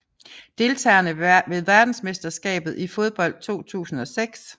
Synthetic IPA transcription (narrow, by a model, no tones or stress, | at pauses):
d̥e̝lt͡sʰɛ̰ːnəʋe̝ðˠʋæɐd̥n̩sme̝sd̥ɐsɡ̥ɛ̰ːb̥ð̩ˠifo̝ð̞ˠb̥ɒ̽l̰d̥̚t͡sʰo̝̰ːt͡sʰṵːsn̩ɒ̽seɡ̥s